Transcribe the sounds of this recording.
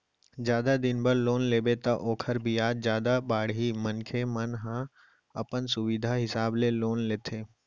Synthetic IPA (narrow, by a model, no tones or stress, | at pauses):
d͡ʒjaːd̪ad̪ɪnbəɾloːnleːbet̪aʔoːkʰəɾbʱiaːd͡ʒzjaːd̪abaːɽɦimənkʰemənɦã | ɐpənsʊʋɪd̪ʱaɦɪsaːbleloːnleːt̪ʰeː